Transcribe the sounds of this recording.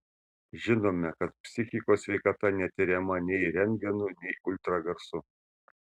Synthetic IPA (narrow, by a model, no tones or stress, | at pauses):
ʒʲɪnoːmʲɛkɐt̪̚pʲsʲɪxʲɪkoːsʲʋʲɛɪkɐt̪ɐnʲɛt̪ʲɪɾʲɛmɐnʲɛɪɾʲɛŋʲɡʲɛnʊnʲɛɪʊlʲt̪ɾɐɡɐɾsʊ